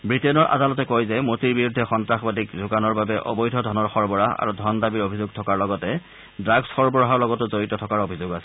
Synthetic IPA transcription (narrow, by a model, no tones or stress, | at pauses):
bɹitɛnɔɹʔa̰dalɔtɛkojzɛmotiɹbiɹudʱːɛxɔntɹaxbadikzuɡanɔɹbabɛʔɔ̰bɔjdʱɔdʱɔnɔɹxɔɹbɔɹaa̰ɹudʱɔndabiɹobʱizʊɡ̚tʰɔkaɹlɔɡɔtɛ | dɹaɡsxɔɹbɔɹɔɦɔɹlɔɡɔtʊzoɹitɔtʰɔkaɹobʱizoɡasɛ̥